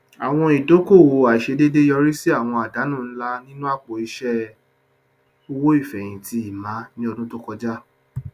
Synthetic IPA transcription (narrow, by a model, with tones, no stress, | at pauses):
a˨w̃ɔ̃˧i˨do˨˦ko˦˨wo˨a˨i˨ʃe˧de˦de˦jɔ˧ɾi˦si˦a˦˨w̃ɔ̃˧a˨da˨˦nũ˦˨n̩˦la˦nĩ˦nũ˦a˦˨k͡po˨i˧ʃɛ˦ | o˧wo˦i˦˨fɛ˨j̃ĩ˨ti˧i˦˨mã˨˦nĩ˦ɔ˧dũ˦to˦kɔ˧d͡ʒa˦